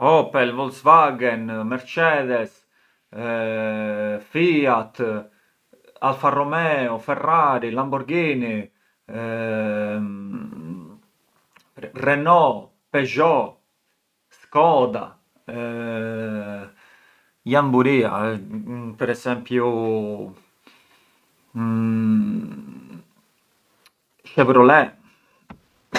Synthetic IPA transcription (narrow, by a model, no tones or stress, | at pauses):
ɔpɛlvɔlsvaɡɛnmɛɾt͡ʃɛd̪ɛs | fiat̪ | alfarɔmɛɔfɛraɾilambuɾɡini | rɛnɔ | pɛʒɔ | skɔːd̪a̰ | jambuɾiːa̰ | pɛɾɛsɛmpju | ʃɛpɾɔlɛ